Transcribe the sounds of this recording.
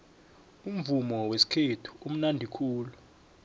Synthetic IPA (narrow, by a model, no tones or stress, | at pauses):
um̩vumɔwesi̥kʰetʰu̥um̩nandʱikʰuːlu